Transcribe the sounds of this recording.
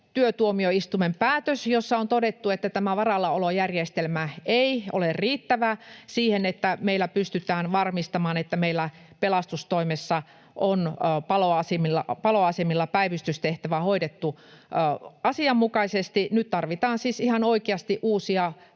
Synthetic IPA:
t̪yøt̪uomioist̪umempæːt̪øsjosːɑont̪odet̪ːuet̪ːæt̪æmæʋɑrɑlːɑolojærjest̪elmæeiʔo̰lerriːt̪ːæʋæsiːhenet̪ːæmeilːˑæpyst̪yt̪æːnʋɑrmist̪ɑmɑːnet̪ːæmeilːæ | pelɑst̪ust̪oimesːɑ | ʔonpɑloɑsimilːɑpɑloɑsemilːɑpæiʋyst̪yst̪eht̪æʋæhoidet̪ːu | ɑsiɑmːukɑisest̪inyt̪t̪ɑrʋit̪ɑːnsiːsihɑnoikeɑst̪iʔuːsiɑ

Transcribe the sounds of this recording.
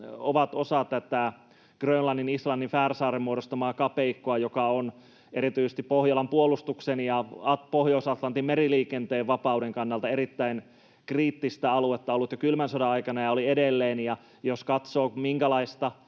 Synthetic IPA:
oʋɑt̪osɑt̪ːæt̪æ | ɡ̥rønlɑnːinislɑnːinfæːrsɑːremmuoɾost̪ɑmɑːkɑpeikːoɑjokɑon | eɾit̪yisest̪ippohjɑlɑmpuolˑust̪uksenjɑɑpohjoːsɑt̪lɑnt̪immeɾiliːkent̪eːʋʋɑpɑudeŋkɑnːɑlt̪ɑeɾit̪ːæin | kriːt̪ːist̪æɑluet̪ːɑolːut̪jokylmænsodɑɑikɑnɑjɑoliedelːeːnjɑ | joskɑt̪soːmiŋkælɑist̪ɑ

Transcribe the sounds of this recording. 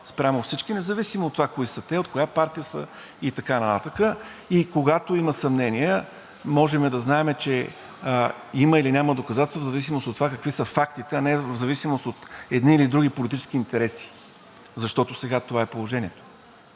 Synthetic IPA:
spɾʲamofsit͡ʃkinɛzɐvisimoːt̪ːovakoisət̪ɛot̪̚kojapaɾt̪ijəsə̰ | it̪ɐkanɐt̪a̰t̪əkə | ikoɡat̪oiməsɐmnɛniə | mɔʒɛmɛd̪ɐznaɛmɛt͡ʃɛ | iməilinʲaməd̪okɐzat̪ɛsvzɐvisimost̪ot̪ːovakəkvisəfakt̪it̪ɛɐnɛvzɐvisimost̪ot̪ɛd̪niːlid̪ɾuɡʲipolit̪it͡ʃɛ̥skiːnt̪ɛɾɛsi̥ | zɐʃt̪ɔt̪osɛɡat̪ovaɛpolˠoʒɛniɛt̪o̥

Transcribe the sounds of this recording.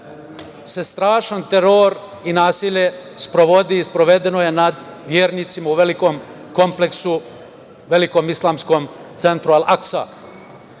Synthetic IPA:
sest̪ɾaːʃant̪e̞ɾoːɾ | inaːsiʎe̞spɾoʋo̞d̪iːspɾo̞ʋe̞d̪e̞no̞je̞nad̪ | ʋjeːɾniːt̪simauʋeliko̞ːm | ko̞mpleksu | ʋe̞liko̞ːmislˠaːmsko̞ːmt̪se̞nt̪ɾualaksa̰

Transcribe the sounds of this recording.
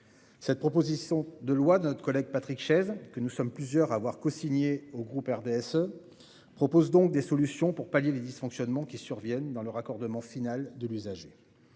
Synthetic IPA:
sɛt̪̚pχɔpozisjɔ̃d̪əlwad̪ənɔt̪χə̥kɔlɛɡ̚pat̪χikʃɛzkənusɔmplyzjœʁaːvwaʁkɔsiɲeoɡʁupɛʁd̪eɛsø | pχɔpozd̪ɔ̃k̚d̪esɔlysjɔ̃puʁpaljeled̪isfɔ̃ksjɔnmɑ̃kʲisyʁvjɛnd̪ɑ̃lœʁakɔʁd̪əmɑ̃finald̪əlyzaʒe

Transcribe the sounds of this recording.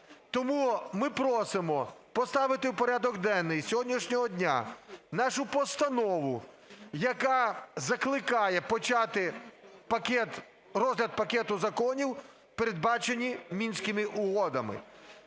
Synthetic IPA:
t̪ɔmumɪpɾɔsɪmɔpɔst̪ɑʋɪt̪ɪwpɔɾʲad̪ɔɡd̪ɛnːɪjsʲɔɦɔdʲnʲiʃnʲɔɦɔdʲnʲa̰nɑʃʊpɔst̪ɐnɔʋʊ | jɐkɑzɐklˠɪkɑjɛpɔt͡ʃɑt̪ɪpɐkʲɛt̪ | rɔzɦlʲɐd̪̚pɐkɛt̪ʊzɐkɔnʲiw | peɾed̪̚bɑt͡ʃenʲimʲinʲsʲkɪmɪʔʊɦɔd̪ɐmɪ̰

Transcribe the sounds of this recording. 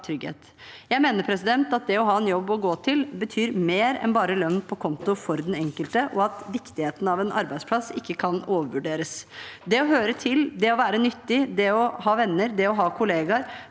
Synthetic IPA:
t̪ʰɾʏɡhḛːt̪ | jæɪmeːnəpʰɾɛsɪd̪ɛnt̪ɑt̪̚d̪ɛɔɦɑːɛnjɔbːɔɡoːt̪ʰɪlbət̪ʰyːɾmeːɾɛ̰nbɑːɾəlœnːpʰɔkʰɔnt̪ʊfɔɾd̪ɛnɛŋkəlt̪əʔɔɑt̪ʋɪkt̪ɪheːt̪ən̩ɑʋɛnʔɑ̰ɾbæɪd̪sʰlɑsɪkːəkʰɑnoːʋəɾʋʉɖeːɾəsd̪ɛɔɦøːɾət̪ʰɪld̪ɛɔʋæːɾənʏt̪ːɪd̪ɛɔhɑːʋɛnːəɾd̪ɛɔɦɑːkʰʊleːɡɑɾ

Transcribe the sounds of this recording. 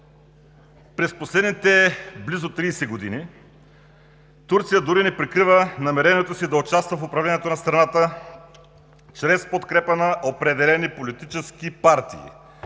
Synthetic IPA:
pɾɛsposlɛd̪nit̪ɛblizot̪ɾiːsɛɡod̪ini | t̪uɾt̪sijəd̪uɾinɛpɾikɾivənɐmɛɾɛniɛt̪osid̪ɐot͡ʃast̪vɐfʊpɾɐvlʲɛniɛt̪onɐst̪ɾɐnat̪ə | t͡ʃɾɛspot̪kɾɛpənɐʔopɾɛd̪ɛlɛnipolit̪it͡ʃɛskipaɾt̪ḭː

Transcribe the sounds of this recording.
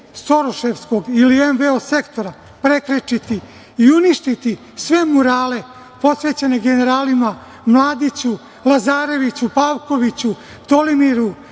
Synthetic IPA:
so̞ɾoʃe̞ʋsko̞ɡilienʋeose̞kt̪o̞ɾa | pɾe̞kɾet͡ʃit̪i | iuniʃt̪it̪i | sʋe̞muɾaːle̞ | po̞sʋe̞ːt͡ɕene̞ɡe̞ne̞ɾaːlima | mlˠaːd̪it͡ɕu | lˠazaːɾe̞ʋit͡ɕupaːʋko̞ʋit͡ɕu | t̪o̞limiɾu

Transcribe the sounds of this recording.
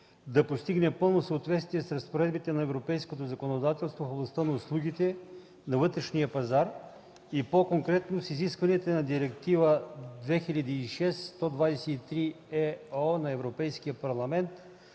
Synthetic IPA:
d̪ɐpost̪iɡnɛpɤlˠnosəːt̪vɛt̪st̪viɛsɾɐspoɾɛd̪bit̪ɛnɐɛvɾopɛjskot̪ozɐkonod̪at̪ɛlˠst̪vofoblˠɐst̪ənɐʊslˠuɡʲit̪ɛ | nɐvɤt̪ɾɛʃnijəpɐzaɾ | ipokoŋkɾɛt̪nosiziskvɐniɛt̪onɐd̪iɾɛkt̪ivəd̪vɛxiʎʲɐd̪iːʃɛsːt̪ɔd̪vad̪ɛsɛt̪it̪ɾi | ɛɔnɐɛvɾopɛjskijəpɐɾlˠɐmɛnt̪

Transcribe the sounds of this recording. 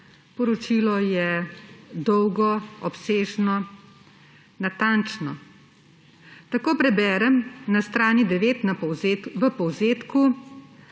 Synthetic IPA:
pɔɾɔt͡ʃiːlɔjɛ | d̪ɔwɡɔɔpseːʒnɔ | nat̪ant͡ʃnɔ | t̪akoːpɾɛbɛːɾɛmnast̪ɾaːnid̪ɛʋeːt̪naɔwʋəpɔwzeːt̪ku

